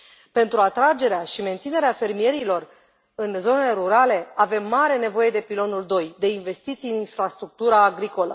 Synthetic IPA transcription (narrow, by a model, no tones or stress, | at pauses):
pe̞nt̪ɾuat̪ɾad͡ʒe̞ɾeaʃime̞nt̪sine̞ɾeafe̞rmije̞ɾilo̞r | ɨnzo̞neleɾuɾale̞ave̞mːaɾe̞ne̞vo̞je̞d̪e̞pilo̞nuld̪o̞jd̪e̞inve̞st̪it̪sijɨninfɾast̪ɾuk̚t̪uɾaːɡɾiko̞lə̰